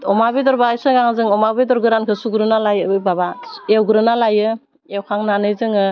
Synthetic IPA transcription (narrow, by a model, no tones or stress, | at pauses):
ɔmabidɔɾbajsɯɡaŋzɯŋɔmabedɔɾɡɯɾankʰɯsuɡɾɯnalajɯbɯbabaewɡɯɾɯnalajɯ | ewkʰaŋnanɯjzɯŋɯ